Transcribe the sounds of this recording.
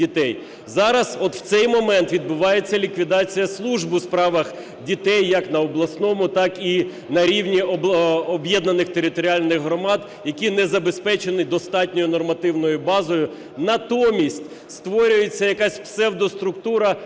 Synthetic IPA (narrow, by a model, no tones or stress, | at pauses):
it̪ɛj | zɑɾɐzɔt̪w̥t̪sɛjmɔmɛnt̪ʋʲid̪̚bʊʋɑje̞t͡sʲːɐlʲikʋʲid̪ɑt͡sʲijɐslˠuʒbɨspɾɑʋɐx | dʲit̪ɛjːɐknɐɔblˠɐsnɔmʊt̪ɑki | nɐɾʲiwnʲiɔɔbjɛd̪nɐnɪxt̪eɾɪt̪ɔɾʲiɑlʲnɪɣɦɾɔmɑd̪ | jɐkʲinɛzɐbespɛt͡ʃenɪd̪ɔst̪ɑtʲnʲɔjʊnɔrmɐt̪ɪwnɔjʊbɑzɔjʊ | nɐt̪ɔmʲisʲtʲ | st̪ʋɔɾʲʊjet͡sʲːɐjɐkɑsʲpsɛwd̪ɔst̪ɾʊkt̪uɾɐ